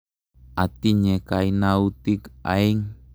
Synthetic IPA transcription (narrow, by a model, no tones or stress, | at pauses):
ʔat̪iɲekainaut̪ika̰iŋ